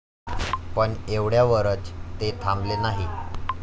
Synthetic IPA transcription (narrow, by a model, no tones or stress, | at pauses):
pəɳeʋɽjaʋəɾət͡st̪et̪ʰamblenaɦi